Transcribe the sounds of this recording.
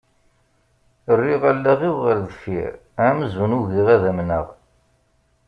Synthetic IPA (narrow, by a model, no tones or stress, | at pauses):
ərːiʁælːæʁiwʁəɾðəfḭɾæməzunuɣiʁæðæmnə̰ʁ